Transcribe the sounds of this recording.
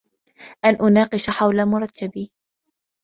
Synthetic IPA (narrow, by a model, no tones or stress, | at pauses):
ʔanʔʊnɑːqɨʃaħawlamʊɾˤɑt̪ːabi